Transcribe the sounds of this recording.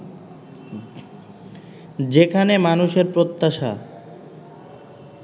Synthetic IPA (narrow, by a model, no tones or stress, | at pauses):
d͡ʑekʰanemanuʃeɾpɾot̪ːaʃa̰